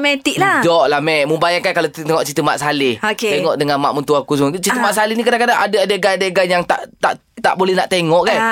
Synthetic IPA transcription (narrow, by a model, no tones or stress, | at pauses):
mɛt̪iʔdladɔʔlamɛʔməmbajaŋkankalat̪t̪eŋɔʔt͡ʃit̪əmaʔsalɪhokeeŋɔʔdəŋanma̰ʔmunt̪uakus̬mt͡ʃit̪əmaʔsalihnikadaŋkadaʔadaadaɡanadəɡanjaŋt̪aʔt̪a̰ʔ | t̪a̰ʔbolɛhnaʔt̪eŋɔʔkan